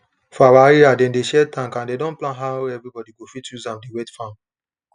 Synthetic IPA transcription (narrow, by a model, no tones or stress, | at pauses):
fɔawaɾiadɛ̃ndeʃɛtãŋkãndedɔ̃nplãnɦaɛvɾibɔdiɡofitjuzãmdewɛtfãm